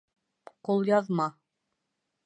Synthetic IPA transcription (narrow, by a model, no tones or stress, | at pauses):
qulˠjɑðmɑ